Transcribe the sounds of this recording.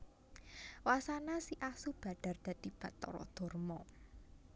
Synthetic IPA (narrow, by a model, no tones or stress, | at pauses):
wasanasiʔasub̥a̤ɖ̥a̤rd̪̥a̤d̪̥i̤b̥ä̤ʔt̪ɔ̰ɾɔ̰d̪̥ɔ̤rmɔ